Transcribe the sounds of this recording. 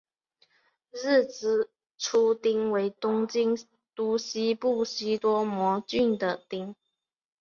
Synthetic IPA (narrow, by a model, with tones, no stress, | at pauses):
ɻ̩˥˩t͡sɹ̩˥˩ | ʈ͡ʂʰu˥t̪i˥ŋwe˧˥ɪt̪ʊ˥ŋt͡ɕi˥ŋ | t̪u˥ɕi˥pu˥˩ɕi˥t̪wɔ˥mwɔ˧˥t͡ɕy˥˩nd̪ə˩t̪i˥ŋ